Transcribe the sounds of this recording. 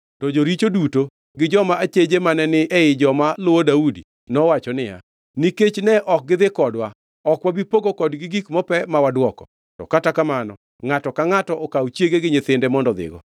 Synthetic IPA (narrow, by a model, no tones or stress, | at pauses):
tɔd͡ʒoɾit͡ʃoduto | ɡɪd͡ʒɔmaat͡ʃed͡ʒemanɛnɪʔɛɪd͡ʒɔmalʊwodaudḭ | nɔwat͡ʃɔnɪja̰ | niket͡ʃnɛʔɔk̚ɡɪdðɪkɔdwa | ɔkwabipoɡokɔdɡɪɡikmɔpɛmawadwɔkɔ | tɔ̰katakamanɔ | ŋatɔkaŋatɔʔɔkawt͡ʃjeɡeɡɪɲɪt̪ɪndɛmɔndɔd̪ɪ̰ɡɔ̰